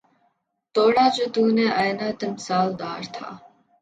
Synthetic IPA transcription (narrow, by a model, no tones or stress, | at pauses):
t̪oːɽaːd͡ʒoːt̪uːneːʔajnaːt̪emɪsaːld̪aːɾt̪ʰa̰ː